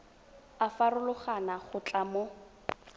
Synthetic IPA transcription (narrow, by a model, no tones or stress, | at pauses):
afarʊlʊχanaχʊt͡ɬʼamo